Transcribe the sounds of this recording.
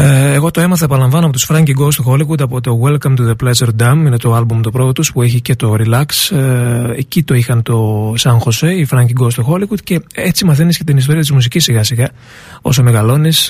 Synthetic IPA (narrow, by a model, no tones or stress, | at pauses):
eeɣo̞t̪oe̞mɐθɐepɐlɐɱvɐnoɐpo̞t̪usfɾɐɲɟiɡost̪uxo̞liɣud̪ɐpot̪o̞welkɐmt̪uðeplezeɾd̪ɐmine̞t̪oɐlbumt̪opɾo̞tot̪uspue̞çice̞t̪o̞ɾilɐks | ecit̪o̞ixɐnt̪o̞sɐŋxo̞seifɾɐɲɟiɡost̪uxo̞liɣud̪̚ce̞et͡simɐθeniscet̪inist̪o̞ɾiɐt̪̬izmusicisːiɣɐsiɣɐ | o̞̰some̞ɣɐlo̞nis